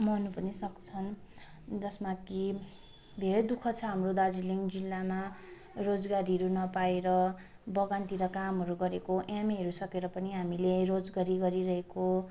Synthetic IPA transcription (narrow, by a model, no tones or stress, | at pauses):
mʌnupʌnisʌkt͡sʰʌn | d͡zʌsmaki | d̪ʱeɾʌjd̪ukʰʌt͡sʰʌɦamrod̪ad͡ziliŋd͡zilːama | rod͡zɡaɾiɦʌɾunʌpaeɾʌ | bʌɡant̪iɾʌkamɦʌɾuɡʌɾekoʔameɦʌɾusʌkeɾʌpʌniɦamileɾod͡zɡaɾiɡʌɾiɾʌɦeko